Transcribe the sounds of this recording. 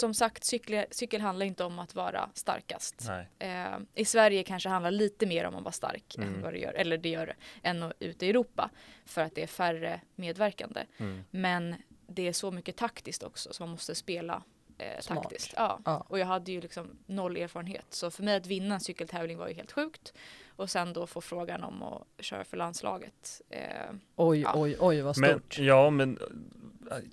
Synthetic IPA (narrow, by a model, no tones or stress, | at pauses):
sɔmsakt̪sʏkːləsʏkːəlɦand̪laɾɪnt̪əɔmat̪vɑ̰ːɾa̰st̪a̰ɾka̰st̪ | ʔɪsvæɾjəkʰanʂəhand̪aɾɭiːt̪əmeːɾɔ̰mːɔ̰mvaʂt̪a̰ɾkɛ̰nva̰d̪ɛ̰jœ̰ːɾʔɛlːəɖɛjœːɾɛʔɛnːɔʉ̟ːt̪ɪɛɾuːpa̰fœɾat̪̚d̪ɛæɾfærəmeːd̪væɾka̰nd̪ə̰mɛnd̪ɛæʂɔmʏkːət̪ʰakt̪ɪskt̪ɔ̰ksɔsɔmanmɔst̪əspeːla̰ | t̪ʰaɪsk̪ɑ̰ːɔjɑːɡɦad̪ːəjɵlɪksɔmnɔlːeːɾfɑːɾənhḛːt̪sɔfœɾmɛjat̪vɪnːaɛnsʏkːəlt̪ʰɛːvlɪŋva̰ɾjɵɦeːlt̪ɧʉ̟ːkt̪ɔsɛnd̪ɔfoːfɾoːɡanɔ̰mɔ̰ɕœ̰ːɾa̰fœɭand̪slɑ̰ːɡə̰t̪ | ɔj̰ːɔjɔjvasjɑːmɛn